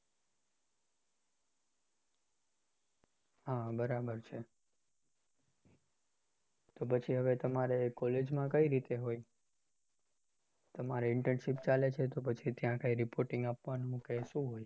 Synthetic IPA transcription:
ɦabəɾabəɾt͡ʃʰe | t̪opət͡ʃʰiɦəʋet̪əmaɾekːɔled͡ʒmãkəiɾit̪eɦoi | t̪əmaɾeɪɳʈɾənʃipt͡ʃalet͡ʃʰet̪opət͡ʃʰit̪jãkəiɾipoɾʈɪŋɡapʋanũɦkeʃũɦoj

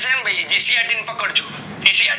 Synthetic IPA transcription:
səɦɛnbʱaid͡ʒisiaɾʈinpəkəɽt͡ʃʰo̥ | d͡ʒisia

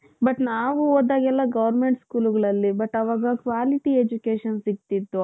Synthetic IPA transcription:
bɐʈnaːʋuoːd̪aːɡɛlːɐɡɐʋɐɾmeɳʈskuːluɡɐɭɐlːibɐʈːɐʋaːɡɐkʋaːliʈied͡ʒukeːʂɐnsiɡ̚t̪id̪ːu

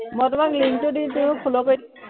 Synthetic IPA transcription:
mɔjtʊmakliŋtʊdintuʊ̃kʰulɔkoj

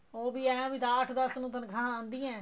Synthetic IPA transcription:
oːbiːɛːãːʋiːd̪aːʈʰd̪əsnũːt̪̬ənkʰãːãːnd̪iːɛ̃ː

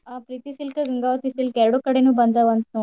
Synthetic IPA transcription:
ɐpɾiːt̪isilkɐɡɐŋɡaːʋɐt̪isilkɛɾɐɽukɐɽenuːbɐnd̪ɐʋɐnt̪u

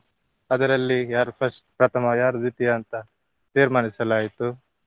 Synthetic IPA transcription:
ɐd̪ɐɾɐlːijaːɾpʰɐsʈ̚pɾɐt̪ʰɐmɐjaːɾd̪it̪ijɐːnt̪ɐ | t̪iːɾmaːnisɐlaːjit̪u

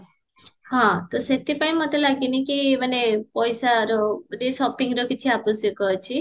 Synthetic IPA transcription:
hãt̪oset̪ipaĩmət̪elaɡinikimanepɔjsaɾobəd̪ʱisɔpiŋɡɾokit͡ʃʰiapusikɔt͡ʃʰi

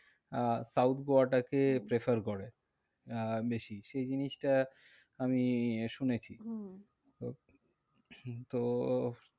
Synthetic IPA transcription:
sawt̪ʰɡoaʈakepɾefaɾkoɾe | beʃiʃejd͡ʑiniʃʈa | amiʃunet͡ɕʰi | t̪o

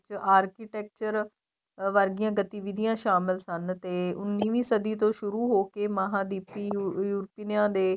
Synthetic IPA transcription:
t͡ʃaːɾkiːʈɛːk̚t͡ʃəɾ | ʋəɾɡɪjãːɡət̪iːʋɪd̪ijãːʃaːmɪlsənt̪eːʊnːiːʋiːsəd̪iːt̪õːʃʊɾuːɦoːkeːmaɦãːd̪iːpiːjuːɾpiːnjãːd̪eː

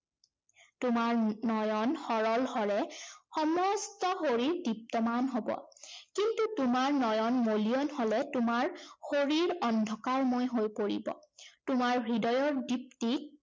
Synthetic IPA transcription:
tʊmaɹnɔjɔnxɔɹɔlhɔɹɛxɔmɔstɔxoɹiɹdip̚tɔmanɦobɔ̰kintutumaɹnɔjɔnmoliɔnholɛtʊmaɹxoɹiɹɔndʱɔkaɹmojɦojpoɹḭbɔ̰tʊmaɹbʱɹidɔjɔɹdip̚ti

